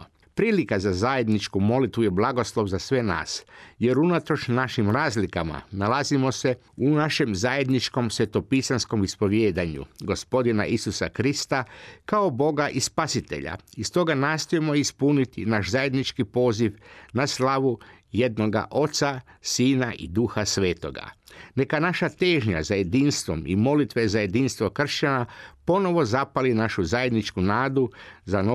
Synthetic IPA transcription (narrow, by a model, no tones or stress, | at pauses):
pɾiːlikazazaje̞d̪nit͡ʃkumo̞lit̪ʋujeblˠaɡo̞slˠo̞ʋzasʋe̞na̰ːsje̞ɾunat̪ɾo̞t͡ʃnaʃimɾaːzlikama̰nalazimo̞se̞ | unaʃe̞mzaje̞d̪nit͡ʃko̞msʋe̞t̪o̞pisansko̞mispo̞ʋjeːd̪aɲṵɡo̞spo̞d̪ina̰ʔisusa̰kɾist̪akao̞bo̞ɡaʔispasit̪e̞̰ʎa̰ist̪o̞ɡanaːst̪o̞jemo̞ispunit̪ḭnaʃzaje̞d̪nit͡ʃkipo̞ːziʋnaslˠaʋu | jed̪no̞ɡa̰ʔo̞t̪sasiːnaʔḭd̪uxasʋe̞ːt̪o̞̰ɡa̰ne̞kanaʃat̪e̞ːʒɲa̰zaje̞d̪inst̪ʋo̞̰mḭmo̞lit̪ʋe̞zaje̞d̪inst̪ʋo̞kr̩ʃt͡ɕanapo̞no̞ʋo̞zapalinaʃuzaje̞d̪nit͡ʃkunaːd̪uzano